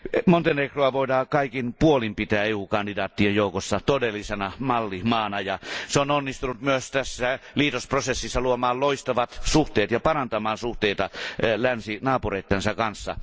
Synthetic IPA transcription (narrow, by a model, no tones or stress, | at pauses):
mont̪enekroɑʋoˑidɑːkɑikinpuolimpit̪æːeuːkɑndidɑːt̪ːiejjoˑukosːɑt̪odelːisenɑmɑlːimɑːnɑjɑseononːist̪unut̪myøst̪æsːæliːt̪osprosesːisːɑluomɑːlloist̪ɑʋɑt̪suht̪eːt̪jɑpɑrɑnt̪ɑmɑːnsuht̪eˑit̪ɑlænsinɑːpureˑit̪ːensɑkɑnsːɑ̰